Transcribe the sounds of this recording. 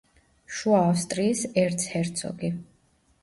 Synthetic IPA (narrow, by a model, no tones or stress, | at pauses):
ʃuaːfst̪ʼɾiːsɛɾt̪sʰhɛɾt̪sʰɔ̰ɡi